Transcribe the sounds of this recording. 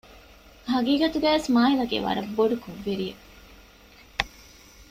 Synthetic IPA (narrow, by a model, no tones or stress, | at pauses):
ɦɐɡiːɡɐt̪uɡæːʋesmaːɦilɐɡḛːʋɐ̰ɾɐbːoɖukoʋːeɾie